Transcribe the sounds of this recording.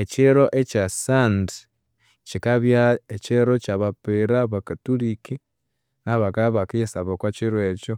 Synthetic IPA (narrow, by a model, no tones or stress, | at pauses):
et͡ʃiɾoʔet͡ʃasand | t͡ʃikaβjaet͡ʃeɾot͡ʃaβapeɾaβakatuliki | naβakaβakajesaβokwat͡ʃiɾwet͡ʃo